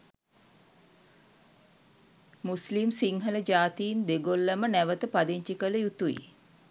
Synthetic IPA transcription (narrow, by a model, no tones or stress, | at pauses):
muslimsiŋɦələd͡ʒaːt̪iːnd̪eɡolːəmənæʋət̪əpad̪iɲt͡ʃikələjut̪uḭ